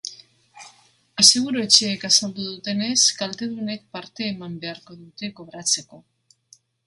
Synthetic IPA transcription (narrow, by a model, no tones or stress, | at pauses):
asiɣuɾue̞t͡ʃeːkasald̪uðut̪e̞ne̞skalt̪e̞ðune̞k̚paɾt̪e̞ːmambe̞aɾko̞ðut̪e̞ko̞βɾat͡se̞ko̞